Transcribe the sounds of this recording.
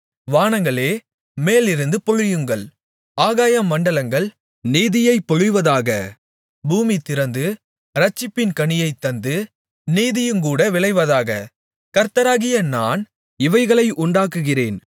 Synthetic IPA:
ʋaːɳɐŋɡɐɭeː | meːlɪɾɯnd̪ɯpɔɻɯjɯŋɡɐɭ | aːɣaːjɐmːɐɳɖɐlɐŋɡɐɭ | niːðɪjɐɪpːɔɻɯjʋɐðaːɣɐ | buːmit̪ɪɾɐnd̪ɯ | ɾɐt͡ʃːɪpːɪnkɐɳɪjɐɪt̪ːɐnd̪ɯ | niːðɪjɯmkuːɽɐʋɪɭɐɪʋɐðaːɣɐ | kɐɾt̪ɐɾaːɣɪjɐnaːn | ɪʋɐɪɣɐɭɐɪʔʊɳɖaːkːɯɣɪreːn

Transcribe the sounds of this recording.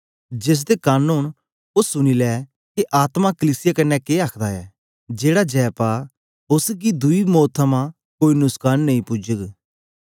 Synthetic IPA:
d͡ʒɪs̬d̪ekaːnʊːɳ | ʊʊnilɛː | keʔaːt̪makəliːsɪjakɐnːɛkeːaːkʰd̪aɛː | d͡ʒeːɽad͡ʒɛːpaː | ʊsɡid̪ʊimoːt̪ʰːəmã | koːinʊskaːnːɐĩpʊd͡ʒəɡ

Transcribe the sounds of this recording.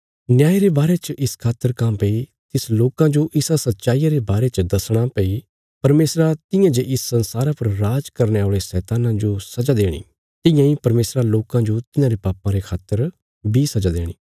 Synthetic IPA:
nɪjaːiɾebaːɾet͡ʃəʔɪskʰaːt̪əɾkãmpɛi | t̪ɪsloːkãd͡ʒoʔɪsasɐt̪ːʃaːiːaɾebaːɾet͡ʃəd̪ɐsɽ̃apɛi | pɐɾmeːsɾat̪ɪ̃jãd͡ʒeʔɪsːɐ̃nsaːɾapɐɾːaːd͡ʒkɐɾneaːɭesɛːt̪aːnãd͡ʒosɐd͡ʒaːd̪eːɽ̃ḭː | t̪ɪ̃jãːipɐɾmeːsɾaloːkãd͡ʒot̪ɪnãːɾepaːpãɾekʰaːt̪əɾ | bʱisɐd͡ʒad̪eːɽ̃ḭː

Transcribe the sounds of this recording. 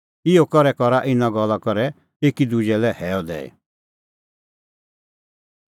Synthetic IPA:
ɪɔkɔɾɛkɔɾaʔɪnaɡɔlakɔɾɛ | eːkid̪ud͡ʒɛlɛhɛːɔd̪ɛ̰ːḛ

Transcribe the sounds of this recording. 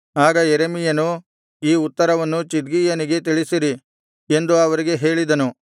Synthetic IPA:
aːɡɐjeɾemijɐnu | iːut̪ːɐɾɐʋɐnːut͡ʃid̪ɡijɐniɡe̞t̪iɭisiɾi | e̞nd̪uɐʋɐɾiɡe̞ɦeːɭid̪ɐnu

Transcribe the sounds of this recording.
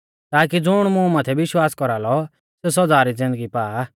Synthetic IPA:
t̪aːkid͡zʊɽ̃mũmat̪ʰɛbɪʃwaːskɔɾaːlɔ | ses̬ɔd͡zaːɾid͡zɪ̃nd̪əɡipaː

